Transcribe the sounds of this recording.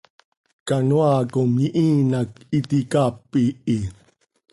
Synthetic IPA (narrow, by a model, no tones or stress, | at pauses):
kanuakomjiʔinakit̪ikapːii